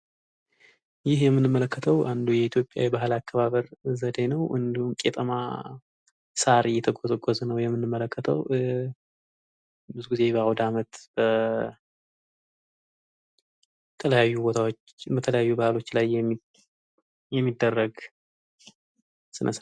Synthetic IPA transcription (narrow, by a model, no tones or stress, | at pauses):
jɪhjɛmːɨnɨmːələkːət̪ʰəwʔand̪ujɛit̪ʰjo̞pʼja̰wibaɦlakʰːəβaβəɾzəd̪e̞nəwʔɨ̰nd̪ihumkʼet̪ʼəma̰ | saɾjɛt̪ʰəɡozɡozənəwjɛmːɨnːɨmːələkːət̪ʰə̰w | bɨzuɡize̞bawd̪amət̪b̥ə | t̪ʰələjajːubot̪ʰawot͡ʃː | bət̪ʰələjajːubahlo̞t͡ʃːlajɛmi | jɛmːid̪ːərːəɡ | sɨnʔəs